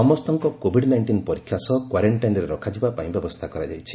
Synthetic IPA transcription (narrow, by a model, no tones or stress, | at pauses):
ɔmɔst̪ɔŋkɔkobʱiɽnajɳʈinpɔɾikʰːjasɔkwaɾeɳʈajnɔɾeɾɔkʰad͡ʒibapaĩbjɔbɔst̪ʰakɔɾa̰d͡ʒa̰jt͡ʃʰi̥